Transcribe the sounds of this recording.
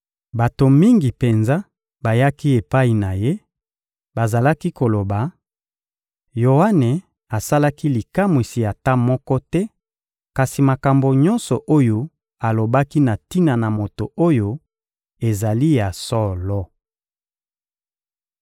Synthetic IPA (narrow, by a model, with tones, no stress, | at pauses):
ba˨to˨mi˦ŋɡi˨pe˨nza˦ | ba˨ja˦ki˦e˨pa˦i˨na˨je˦ | ba˨za˨la˦ki˦ko˨lo˨ba˨ | jo˨a˦ne˨ | a˨sa˦la˦ki˦li˨ka˦mwi˨si˨ja˨ta˦mɔ˦kɔ˦tɛ˦ | ka˨si˨ma˨ka˨mbo˨ɲɔ˦nsɔ˨ʔo˦jo˦ | a˨lo˨ba˦ki˦na˨ti˦na˨na˨mo˨to˨o˦jo˦ | e˨za˨li˦ja˨sɔ˦lɔ˦